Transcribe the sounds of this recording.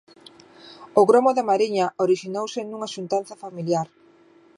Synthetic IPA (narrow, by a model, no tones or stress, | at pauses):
ʊɣɾomʊðɪmaɾiɲɐʔoɾiʃinowsɪnuŋɐʃunt̪anθɐfamiljaɾ